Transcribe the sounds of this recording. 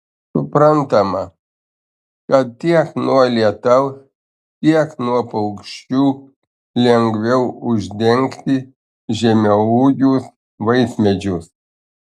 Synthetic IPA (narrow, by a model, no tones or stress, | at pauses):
sʊpɾɐnt̪ɐmɐ | kɐt̪̚t̪ʲiɛknuɔlʲiɛt̪ɐʊs | t̪ʲiɛknuɔpɐʊkʃʲt͡ʃʲuː | lʲɛŋɡʋʲɛʊʊʒʲd̪ʲɛŋʲkt̪ʲɪ | ʒʲɛmʲɛuːɡʲus | ʋɐɪsʲmʲɛd͡ʒʲʊs